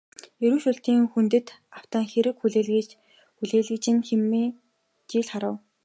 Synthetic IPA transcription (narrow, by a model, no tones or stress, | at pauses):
eɾuːʃuɬt̪iːŋxunt̪ɘ̆t̪aw̥t̪aːŋxeɾɘ̆kxuɮeːɮ | xuɮeːɮɘ̆kt͡ɕɪ̆nxemeː | t͡ɕiːɮχaɾə̆w